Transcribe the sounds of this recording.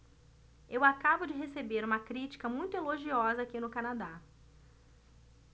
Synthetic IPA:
ewakabʊd͡ʒɪɦesebeɾũmɐkɾit͡ʃi̥kɐmũj̃t̪ʊeloʒiɔzɐakinʊkanad̪a

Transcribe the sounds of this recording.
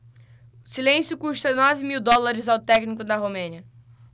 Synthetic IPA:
ʊsilẽsjʊkuʃt̪ɐnɔvɪmiwd̪ɔlaɾɪzawt̪ɛknikʊd̪ɐɦomẽniɐ

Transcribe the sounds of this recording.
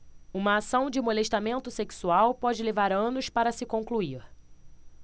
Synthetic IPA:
ũmɐːsɐ̃w̃d͡ʒɪmoleʃt̪amẽnt̪ʊseksuawpɔd͡ʒɪlevaɾɐ̃nʊspaɾɐsɪkõŋkluiɾ

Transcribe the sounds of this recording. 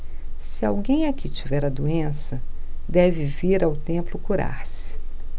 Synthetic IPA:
sɪawɡẽj̃akit͡ʃivɛɾɐd̪uẽsɐd̪ɛvɪviɾawt̪ẽmplʊkuɾa̰ɾsɪ̥

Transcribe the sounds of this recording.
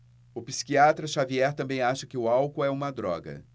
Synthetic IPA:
ʊpi̥si̥kiat̪ɾɐʃaviɛɾt̪ɐ̃mbẽj̃aʃɐkɪʊawkʊɛũmɐd̪ɾɔ̰ɡɐ̰

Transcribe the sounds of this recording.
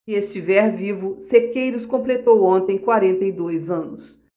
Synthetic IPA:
iest͡ʃivɛɾvivʊsekejɾʊskõplet̪owõnt̪ẽj̃kwaɾẽnt̪ɐejd̪ojzɐ̃nʊs

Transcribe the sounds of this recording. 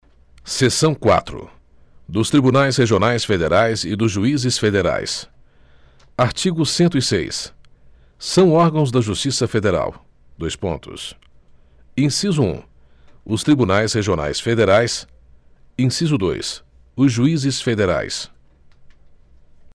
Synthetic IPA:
sesɐ̃w̃kwa̰t̪ɾʊ̰ | d̪ʊst̪ɾibunajsheʒionajsfed̪eɾajzɪd̪ʊzʒuizɪsfed̪eɾa̰js | aɾt͡ʃiɡʊsẽnt̪ʊisḛjsː | ɐ̃w̃ɔɾɡɐ̃w̃zd̪ɐʒust͡ʃisɐfed̪eɾa̰w | d̪ojspõ̰nt̪ʊ̰s | ẽsizʊṵ̃ | ʊst̪ɾibunajsheʒiona̰jsfed̪eɾajs | ẽsizʊd̪o̰js | ʊzʒuizɪsfed̪eɾa̰js

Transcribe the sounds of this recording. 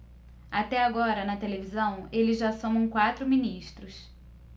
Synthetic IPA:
at̪ɛaɡɔɾɐnɐt̪elevizɐ̃w̃elɪzʒasõw̃ũw̃kwat̪ɾʊmĩniʃt̪ɾʊs

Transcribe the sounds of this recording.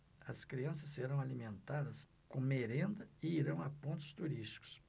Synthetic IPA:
ɐskɾiɐ̃sɐsːeɾɐ̃w̃alimẽnt̪ad̪ɐs | kõmeɾẽnd̪ɐɪiɾɐ̃w̃ɐpõnt̪ʊ̥st̪uɾiʃt͡ʃi̥kʊ̥s

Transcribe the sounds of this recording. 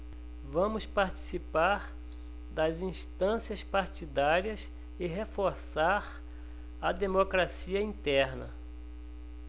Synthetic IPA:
vɐ̃mʊspaɾt͡ʃi̥sipaɾ | d̪ɐzĩst̪ɐ̃siɐspaɾt͡ʃid̪aɾiɐs | ɪɦefoɾsaɾ | ɐd̪emokɾasiɐĩt̪ɛɾnɐ̰

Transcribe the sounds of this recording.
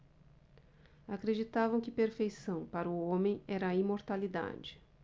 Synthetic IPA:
akɾed͡ʒit̪avɐ̃w̃kɪpeɾfejsɐ̃w̃paɾʊõmẽj̃ɛɾɐimoɾt̪alid̪a̰d͡ʒɪ̥

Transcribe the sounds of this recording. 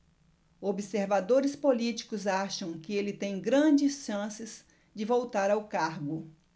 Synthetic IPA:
obiseɾvad̪oɾɪspolit͡ʃi̥kʊzaʃɐ̃w̃kɪelɪt̪ẽj̃ɡɾɐ̃d͡ʒɪsʃɐ̃sɪz̥ | d͡ʒɪvowt̪aɾawkaɾɡʊ

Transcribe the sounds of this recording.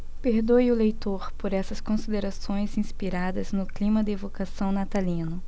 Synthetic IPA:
peɾd̪ojʊlejt̪oɾpoɾɛsɐskõsid̪eɾasõj̃zĩspiɾad̪ɐznʊklĩmɐd̪ɪevokasɐ̃w̃nat̪alĩnʊ

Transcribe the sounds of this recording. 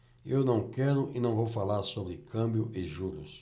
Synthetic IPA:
ewnɐ̃w̃kɛɾʊʔɪnɐ̃w̃vowfalaɾsobɾɪkʰɐ̃bjʊʔɪʒuɾʊ̰s

